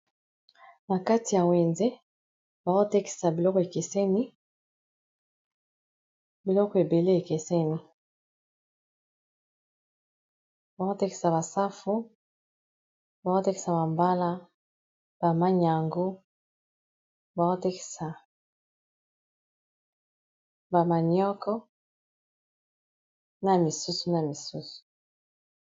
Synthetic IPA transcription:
na˨ka˦ti˨ja˨we˨nze˦ | ba˨o˦tɛ˦ki̥˨sa˨bi˨lɔ˦ko˨e˨ke˨sɛ˦ni˦ | bi˨lɔ˦ko˨e˨be˨le˦e˨ke˨se˦ni˦ | ba˨˦o˦tɛ˦ki̥˨sa˨βa˨sa˦fu˦ | ba˨o˦tɛ˦ki̥˨sa˨ba˨mba˦la˦ | b̥a˨ma˦ɲa˨ŋɡo˦ | ba˨o˦tɛ˦ki̥˨sa˨ | ba˨ma˨ɲɔ˦kɔ˦ | na˨mi˨su˦su˦na˨mi˨su˦su̥˨

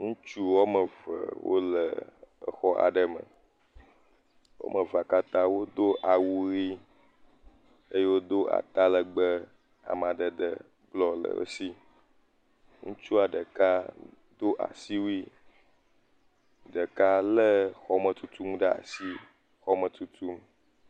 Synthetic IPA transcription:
ŋũ˦t͡ʃu˦wɔ˦mə˨və̰˨wʔo̰˦lə˨ə̰˨xɔ˦ʔa̰˨ɖə˦mə̰̃˨ | wo̰˦mə˨va˨ka˦t̪ã˦wo˦d̪o˦ʔa˨wu˨ɣi˦ | ə˦je˦wo˦d̪o˦ʔa̰˨t̪a˦lə˨ɡ͡bə˦ | a̰˨m˨ã˨ɖə˨d̪ə˨ | ɡ͡blɔ˦lə̰˨ə̰˦si˦ | ŋũ˦t͡ʃu˦a˨ɖə˨ka˦ | d̪o˦ʔa̰˨si˦wi˦ | ɖə˨ka˦lə˦xɔ˦mə̃˨t̪u˦t̪u˦m˦ɖə˦a̰˨si˦ | xɔ˦mə̃˨t̪u˦t̪u˦m

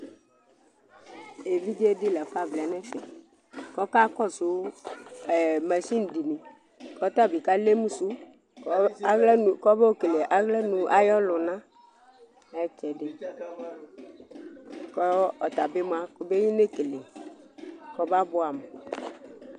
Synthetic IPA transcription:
e˨vi˦d͡ʒe˦dɪ˦lɛ˨fa˦vlɛ˨nɛ̃˦fɛ˦˨ | kɔ˦ka˦kɔ˦˨su˨˦ɛ˨mɛ˨si˦n̩˨di˨nĩ˨ | kɔ˦t̪a˦˨bi˨ka˦le˦mũ˦su˦ | ɡlɛ˦˨kɔ˦be˦o˦ke˨le˨ʔa˨ɣlɛ˦nũ˨ʔa˨jɔ˦lʊ˨nã˦ | ɛ˦t͡ʃɛ˨ɖe˨ | kɔ˦ɔ˨t̪a˨be˦m˦a˦ko˨be˦ɲĩ˦ne˦ke˨le˨ | kɔ˦ba˦bʊ˦a˨m˨

